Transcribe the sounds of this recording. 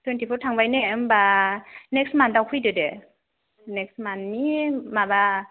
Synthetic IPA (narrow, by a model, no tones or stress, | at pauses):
tʰwɛntipʰɔɾtʰaŋbajnembanɛk̚smandawkʰujdɯde | nɛk̚smanmimaba